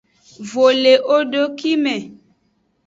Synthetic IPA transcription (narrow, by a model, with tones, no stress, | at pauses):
vo˨le˨ʔo˦ɖo˨ki˦mɛ̃˨